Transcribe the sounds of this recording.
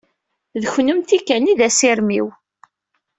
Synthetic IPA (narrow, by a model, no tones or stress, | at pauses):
ðəçnəmt̪ikːæniðæsɪɾmiw